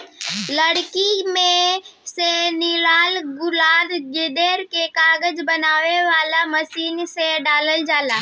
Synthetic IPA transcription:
ləɽkimẽsenɪlaːlɡʊlaːd̪ɡɪd̪eːɾkekaːɡəd͡ʒbənaːʋeʋaːlaməsiːnseɖaːləld͡ʒaːlaː

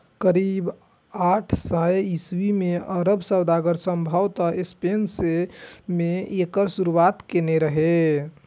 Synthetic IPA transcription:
kəɾib | aʈʰsajiswimeəɾəbsəwd̪aɡəɾsəmbʱawt̪əespensemeekəɾsuɾuwat̪keneɾəɦe

